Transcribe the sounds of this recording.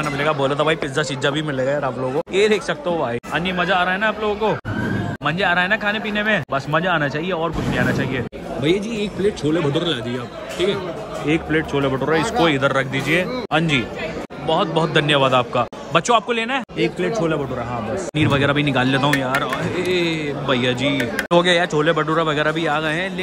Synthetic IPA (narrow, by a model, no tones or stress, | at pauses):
aːnamɪleːɡaboːlaːt̪ʰabʱaːipɪzasɪd͡ʒabʱimɪleːɡajaːɾaːploːɡoeːd̪eːksɐk̚t̪aɦobʱaːiɐ̃ːnd͡ʒimɐd͡ʒaːɾaːɦɛnaaːploːɡõkomɐ̃nd͡ʒeaːɾaːɦɛnakʰaːnepiːnemẽbɐsmɐd͡ʒaaːnat͡ʃaːɦieɔːɾkʊt͡ʃʰniaːnat͡ʃaːɦie | bʱɐjed͡ʒiːeːk̚pleːʈ̚t͡ʃʰoːlebʱɐʈoɾlaːd̪ieaːp | ʈʰiːkɛ | eːk̚pleːʈ̚t͡ʃʰoːlebɐʈoːɾaɪskoɪd̪əɾːɐk̚ʰd̪iːd͡ʒieːɐ̃nd͡ʒiː | bɐɦʊt̪̚bɔɦɔt̪̚d̪ʱɐnjəʋaːd̪aːp̚ka | bɐtːʃõaːp̚koleːnaɦɛeːk̚pleːʈ̚t͡ʃʰoːlebʱɐʈoːɾaɦãːbɐsniːɾʋɐɡɛːɾabʱinɪkaːlːeːt̪aɦũjaːɾebʱɐjːad͡ʒiːt̪oːɡajat͡ʃʰoːlebɐʈuːɾaʋɐɡɛːɾabʱiaːɡɐɛ̃l